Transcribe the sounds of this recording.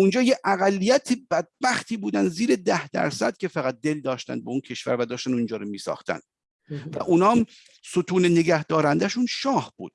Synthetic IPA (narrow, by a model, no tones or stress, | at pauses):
und͡ʒɒːjeʔæɣælːijæt̪ʰebæd̪̚bæxt̪ʰiːbuːd̪ænd̪ziːɾed̪æhd̪æ̰ɾsæ̰d̪̥̚kʲʰe̞fæɣæt̪̚d̪eld̪ɒːʃt̪æ̰nbeuncʰe̞ʃv̥æ̰ɾvæd̪ɒːʃt̪ænund͡ʒɒːɾomiːsɒ̰ːxt̪æ̰nd̪̥̚ | væ̰ʔuːnɒːm | sot̪ʰuːneneɡæhd̪ɒːɾænd̪æʃunʃɒːhb̥ṵːd̪̥